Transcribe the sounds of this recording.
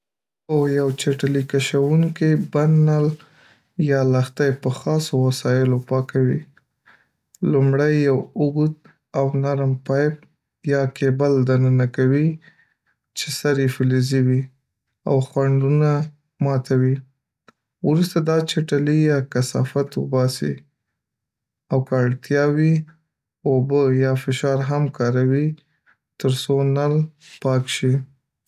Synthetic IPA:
ojawt͡ʃeʈalikaʃawuŋkibanal | jɑlaxt̪ajpəxɑsowasɑjɪlopɑkawi | lumɽajːawʊɡut̪̚ | awnaɾmpɑjp̚ | jɑkebald̪anənakawi | t͡ʃesaɾjefɪliziwi | a̰wxwaɳɖuna | mɑt̪ʰawi | wɾust̪ad̪ɑt͡ʃaʈalijɑkasɑ̰fat̪wʊ̰bɑsḭ | awkəaɽt̪jɑwi | obəjɑfɪʃɑɾɦamkɑɾawi | t̪əɾsonalpɑkʃi

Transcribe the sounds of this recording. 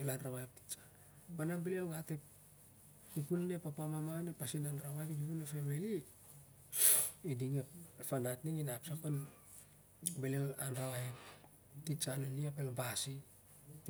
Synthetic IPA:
elanɾaβaep̚ti̥t͡ʃḁ | pananbeliawɡatepː | upunne̞papamamanepasinanɾaβaepdipunefemeli | idiŋepanatniŋinapsakon | beleanɾawaep̚ | tit͡ʃaneliapelabasi

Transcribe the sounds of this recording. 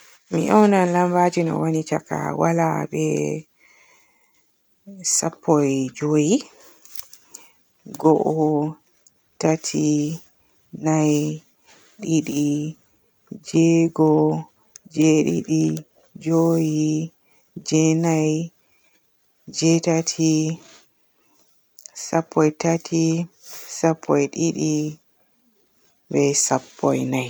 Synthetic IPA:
mḭʔɔwnanlambad͡ʒinɔ̰wanit͡ʃaka̰walabɛ̰ | sapʰːɔjd͡ʒoji | ɡɔʔɔ | tatʰi | naj | ɗiɗi | d͡ʒɛɡɔ | d͡ʒɛɗḭɗi | d͡ʒoji | d͡ʒɛnaj | d͡ʒɛtatʰi | sapːɔjtatʰisapʰːɔjɗiɗi | bɛsapːɔ̰jnaj

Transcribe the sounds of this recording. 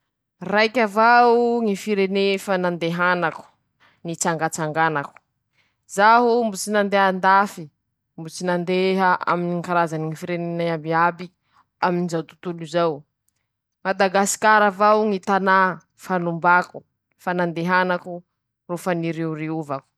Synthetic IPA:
rajkʲavauŋifiɾenefanand̪eɦanaku̥ | nit͡saŋɡat͡saŋɡanaku̥ | z̥aɦumbut͡sinand̪eɦand̪afi | mbut͡sinand̪eɦaa̰miniŋkaɾazaniŋifiɾenenaambiabi | aminizawt̪u̥t̪ulizaw | mad̪aɡasi̥kaɾavawŋit̪ana | fanumbaku̥ | fanand̪eɦanaku | rofəniɾeuriuvaku̥

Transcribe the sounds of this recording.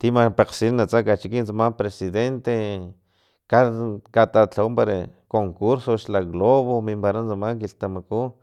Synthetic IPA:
t̪imapeqsinnat͡sakat͡ʃikint͡samapɾesiðent̪e | kakat̪at͡ɬawumpaɾakoŋkuɾsoʃlaɣloβomimpaɾant͡samaŋkiɬt̪amaku

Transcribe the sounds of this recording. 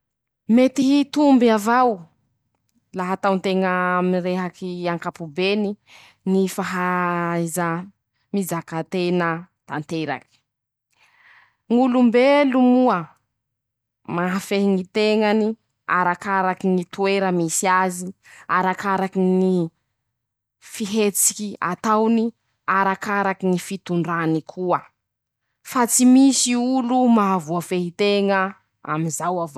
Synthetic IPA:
met̪iɦit̪umbiavaw | laɦat̪awnt̪eŋəmiɾeɦakiaŋkapubeni | nifaɦaza | mizakat̪enət̪ant̪eɾa̰ki̥ | ŋulumbelumuə | maɦafeɦiŋit̪eŋani | a̰ɾakaɾakiŋit̪ueɾəmisiaziaɾakaɾakini | fiɦet͡si̥kʲia̰t̪awni | aɾakaɾakinifit̪uɳɖ͡ʐanikʰuə | fat͡simisiulumavuafeɦit̪eŋə | a̰mizawav

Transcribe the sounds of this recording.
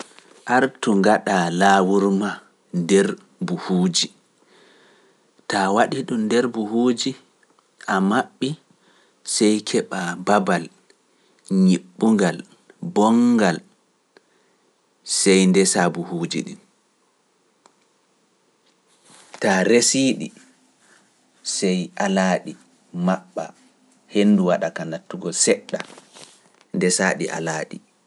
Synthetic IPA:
ʔaɾtuŋɡaɗalaːwuɾma | ndɛɾ | buhuːd͡ʒi | tawaɗiɗumdɛɾbuhuːd͡ʒi | ʔamaɓːi | sɛjkʰɛɓababal | ɲiɓːuŋɡal | bɔŋɡal | sɛjndɛsabuhuːd͡ʒḭɗḭn | taɾesiːɗḭ | sɛjʔalaːɗi | maɓːa̰ | henːduwaɗakanatːuɡɔlsɛɗːa | ndɛsaːɗḭʔa̰laːɗi

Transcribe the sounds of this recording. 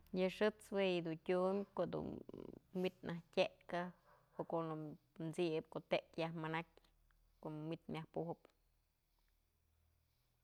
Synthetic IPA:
jɨʂɨt͡swejid̪untʲumʲkoʔd̪ṵnmit̪nahtʲeʔka | oʔkoʔnu | nt͡sib̚koʔt̪eʔkjahmanakʲ | koʔmit̪mʲahpuhɨp

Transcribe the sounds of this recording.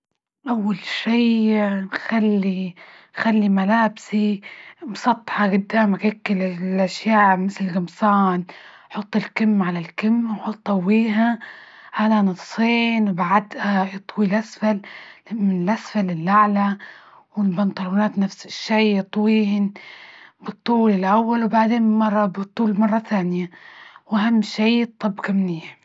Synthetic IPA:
ʔawːalʃiːnxalːi | xalːimalaːbsimsˤɑt̪ˤːħɑɡɪd̪ːamaɡakːɪllʔaʃjaːʕmɪθlɪlɡɪmsɑːn | ħʊt̪ˤːɪlkɪmːʕalalkɪmːwħʊt̪ˤːawːiːɦa | ʔalanɨt̪sˤiːnwbaʕad̪ʔajɨt̪ˤwilʔasfalmɪnɪlʔasfalɪlʔaʕla | wɪnbɑnt̪ˤɑlːunaːt̪nafsɪʃːejːɨt̪ˤwiːɪn | bɨt̪ˤːuːlɪlʔawːalwbaʕd̪eːnmɑrˤːɑbɨt̪ˤːuːlmɑrˤːɑθaːnɪjawʔaɦamːʃeːɨt̪ˤːɑbːkamnijːa

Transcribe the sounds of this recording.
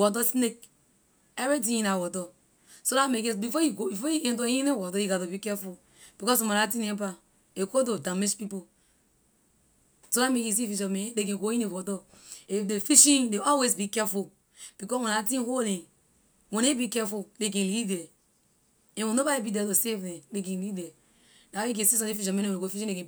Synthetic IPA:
wɔdɔsnek̚ | evit̬ĩĩnawɔtɔ | soɾamekebifojuɡobifojikɛ̃toĩnewɔdɔjiɡadobikɛful | b̥ikɔs̬wẽnatĩnẽpa | ekododãmeʃpipo | soɾamekis̬ifiʃɔmẽdek̬ẽɡojĩnewɔtɔ | ifdefiʃĩndeɔlwes̬bikɛfu | b̥ikɔswɛ̃natĩnholɛ̃ | wɛ̃nebikɛfudek̬ɛ̃lidɛ | ɛ̃wõnobaibidɛtosevdɛ̃dek̬ɛ̃nlidɛ | nawajik̬ɛ̃sis̬ɔ̃defiʃ̬ɔmɛ̃nɛ̃wɛ̃ɡofiʃĩekɛ̃

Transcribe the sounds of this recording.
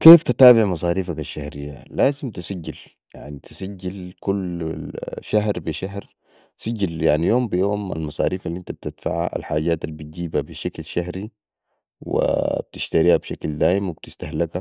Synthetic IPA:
keːft̪at̪aːbɪʕmɑsˤɑːɾiːfakaʃːahɾijːa̰laːzimt̪isaɟːil | ja̰ʕnit̪isaɟːilkul | ʃaɦɾbiʃaɦɾ | saɟːaljaʕnijoːmbijoːma̰lmɑsˤɑ̰ːɾiːfalːiʔint̪ab̚t̪ɪt̪fa̰ʕa̰ʔa̰lħaːɟːaːt̪albit̪̚ɟiːbabiʃaklʃaɦɾi | wḭb̥̚t̪iʃt̪aɾiːhabʃakld̪aːjimwib̚t̪ist̪aɦlaka

